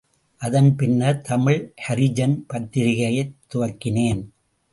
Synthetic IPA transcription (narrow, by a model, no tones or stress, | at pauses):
ʔɐðɐnpɪnːɐt̪ʰɐmɪɻhɐɾɪd͡ʒɐnpɐt̪ːɪɾɪɣɐjɐɪt̪ːʊʋɐkːɪneːn